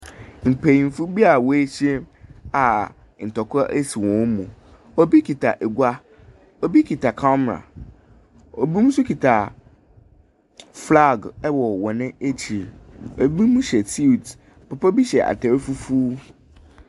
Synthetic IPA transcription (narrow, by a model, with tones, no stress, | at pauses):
ŋ͡m̩˨pʰe˨jm̩˨fu˦bi˦a˨wɔ˨e˦ɕi˦e˦ma˨ | n̩˨tɔ˨kʰʔe˦si˨wɔ̃˨˦mũ˨ | o˦bi˦kʰi˨tʰa˨ʔe˨ɡu˦a˦ | o˦bi˦kʰi˨tʰa˨kʰɔ˦m˨ɾa̰˨ | o˨bĩ˦m̩˦sʊ˦kʰi˨tʰa˨ | fla˦˨ɡɛ˦wɔ˨wɔ˨nɪ̃˦e˦t͡ɕʰi˨ɾo˨˦bi˦mũ˦ɕɛ˨tʰi˦˨t | m̩˨pʰʊ˨pɔ˦bi˦ɕɛ˨ʔa̰˨tʰɛ˨ɾfu˦fu˦